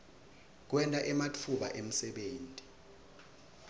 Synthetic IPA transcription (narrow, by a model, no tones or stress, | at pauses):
k̬wɛntʼaʔɛmatʰuɓa̰ʔem̩sɛɓeːntʼi̥